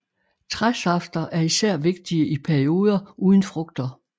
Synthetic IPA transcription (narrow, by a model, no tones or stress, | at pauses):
t͡sʰʁasɑ̈fd̥ɐʔæɐisæɐ̰ʋe̝ɡ̥̚d̥iəʔipʰæɐio̝ːð̞ˠɐʔuːðˠnfʁɔ̽ɡ̥d̥ɐ